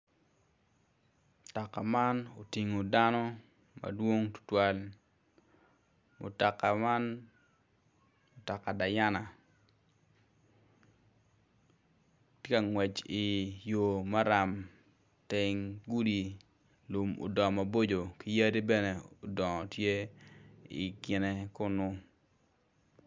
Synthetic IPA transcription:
ta˨ka˨ma˦no˨ti˨ŋo˨da˦nɔ˦ | ma̰dwo˦ŋtʊ̥˦twa˦l | mʊ̰˨ta˨ka˨ma˦n | o˨ta˨ka˨da˨ja˦na˨ | tje˦ka˨ŋwɛ˨t͡ʃi˨jo˨ma˦ɾa˨m | te˦ŋɡu˦di˨ | lo˨mo̰˨dɔ˨ma˨bo˦d͡ʒo˨ki˦ja˦ɾi˦bɛ˦ne˨o˨dɔ˨ŋɔ˨tje˦ | ḭ˨ɡɪ˨ne˦kʊ˦nʊ˦

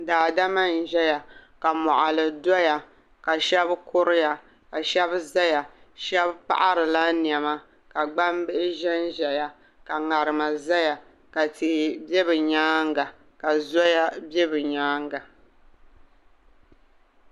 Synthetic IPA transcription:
daː˨da˦ma˦˨n˨ʒɛ˦ja˨ka˨mɔ˨ʔa˨lɨ˨dɔ˦ja˨ | ka˨ʃɛ˦bkʊ˦ɾɨ˦ja˨ | ka˨ʃɛ˦bza˦ja˨ | ʃɛ˦bpa̰˦ʔa˦ɾɨ˨la˦ni˨ɛ˨ma˦ | ka˨ɡ͡ba˦mbɪ˦ʔɪ˦ʒɛ˦nʒɛ˨ja˨ | ka˨ŋa˨ɾɨ˨ma˨za˦ja˨ | ka˨ti˨bɛ˦bɨ˨ɲaː˦ŋ˦ɡa˨ | ka˨zɔ˦ja˦bɛ˦bɨ˨ɲaː˦ŋ˦ɡa˨

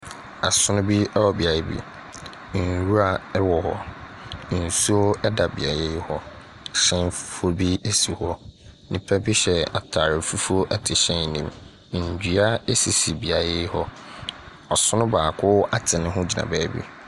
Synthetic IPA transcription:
a˨sʊ˦nʊ̃˦bi˦ɛ˦wɔ˨bi˨a˨˦bḭ˦ | n̩˨ɾu˦ɾa˨ɛ˦wɔ˨hɔ˦ | n̩˨su˦o˦ɛ˦da˨bḭ˨a̰˨je˦jhɔ˦ | ɕɛ̃˦nfu̥˦fo˦bi˦e˦si˨hɔ˦nĩ˨pʰɛ˦bi˦ɕɛ˨a̰˨tʰa˨ɾɪ˨fu˦fu˦o˦ʔɛ˦tʰɪ˨ɕɛ̃˦n˨nĩ˨m˨ | n˨d͡ʑᶣi˨a˦e˦si˨si˨bi˨a˨je˦hɔ˦ | ɔ˨sʊ˦nʊ̃˦baː˨kʰʊ˦a˦tʰɪ˨nɪ̃˦ɦʊ̃˦d͡ʑi˨nã̰˨baː˦bḭ˦

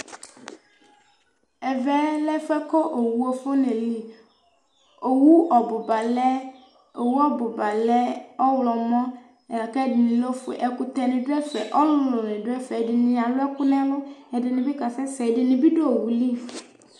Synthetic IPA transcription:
ɛ˨vɛ˦lɛ˦fɛ˦kɔ˦ʔo˨wu˨o˨fo˦nẽ˨li˨ | o˨wu˦ʔɔ˨bo˨ba˨lɛ˦ | o˨wu˦ɔ˦bo˨ba˨lɛ˦ɔ˦wlɔ˨mɔ̃˦˨ | kɛ˦dɪ˨nĩ˨lo˦fo̰˨ʔɛ˨ku˦t̪ɛ˨nɪ̃˨ɖo˦ɛ˦fɛ˨ʔɔ˦lʊ˦lo˨nẽ˨ɖo˦ɛ˦fɛ˨ɖɪ˨nĩ˨a˨lo˦ɛ˦ku˦nɛ̃˦lo˦ɛ˨ɖɪ˨nɪ̃˨bi˦ka˨sɛ˦sɛ˨ɖɪ˨nũ˨bi˦ɖo˦o˨wu˨li˦f

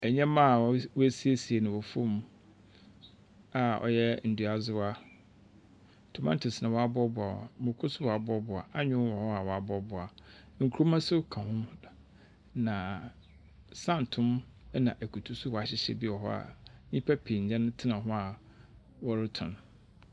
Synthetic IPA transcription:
ɛ˨ɲɛ̃˦mã˦˨˦wæ˦si˦e˦si˨e˨nɪ̃˨wɔ˨fʊ̃˦m | a˨ɔ̰˨jɛ˦n̩˨du˨a˨zʊ˦a˦˨ | tʰu˨mã˦n˦tʰʊ˨snã˨wɔ˨a˨bɔ˦bʊ˨a̰˨mʊ̃˨kʰʊ˦sʊ˦wɔ˨a˨bɔ˦bʊ˨a̰˨ʔa˦ɲᶣʊ̃˦wɔ˨hɔ˦a˨wɔ˨a˨bɔ˦bʊ˨a˨ | ŋ̩˨kʰu˨ɾo˦mã˦sʊ˦kʰã˨hʊ̃˦m˨ | nã˨ | sã˦n̩˨tʰʊ̃˦m˦ | nã˨ʔæ˨kʰu˨tʰu˦sʊ˦wɔ˨a˨ɕɪ˦ɕɛ̰˨bi˦ɔ˨ɦɔ̰˦a̰˨nĩ˦pʰæ˦pʰi˨ɲ̩˨d͡ʑɛ̃˦ñ˦tʰɪ˦nã˨ɦʊ̃˦a˨ | wɔ˦ɾɪ˦tʰʊ̃˨n

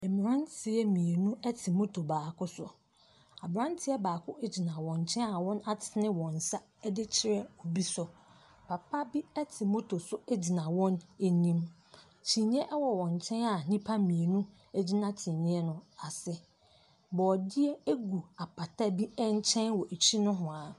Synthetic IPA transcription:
ɛ˨m̃˨ɾã˦ntʰɪ˨ɛ˦mĩ˨e˨nũ˦ɛ˦tʰi˨mo˦tʰo˨baː˨kʊ˦sʊ̰˨ | a˨bɾã˦ntʰɪ˦ɛ˦baː˨kʰʊ˦ʔe˦d͡ʑi˨nã˨wɔ̃˨ɲ˨t͡ɕʰɛ̃˦na˨wɔ̃˦na˦tʰɪ˨nɪ̃˦wɔ̃˨n̩˨sa˦ | ɛ˦dɪ˦t͡ɕʰɪ˨ɾɛ˦ɔ˨bi˦sʊ˨ | pʰa˨pʰa˦bi˦ɛ˦tʰɪ˨mo˦tʰo˨sʊ˦ɛ˦d͡ʑi˨nã˨wɔ̃˦ne˨nĩ˦m | t͡ɕʰĩ˨nĩ˦ɛ˦ʔɛ˦wɔ˨wɔ̃˨ɲ˨t͡ɕʰɛ̃˦na˨nĩ˦pʰa˦mĩ˨e˨nũ˦ | ɛ˦d͡ʑi˦nã˦t͡ɕʰĩ˨nĩ˦ɛ˦nʊ̃˨a˨sɪ˦ | bɔː˨dɪ˦ɛ˦e˦ɡu˨a˨pʰa˨tʰa˦bi˦ɛ˦n̩˦t͡ɕʰɛ̃˦nwɔ˨ʔe˨t͡ɕʰi˦nʊ̃˦ɦʊ̃˨a˨

